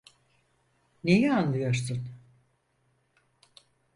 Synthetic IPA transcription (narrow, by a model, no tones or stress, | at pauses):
nejɛanlˠɯjoɾsun